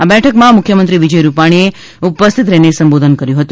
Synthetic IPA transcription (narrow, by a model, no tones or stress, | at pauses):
abɛʈʰəkmãmʊkʰjəmənt̪ɾiʋid͡ʒəjɾupaɽ̃ie | upəst̪ʰit̪ɾɛnesəmbod̪ʱənkəɾjũɦət̪ũ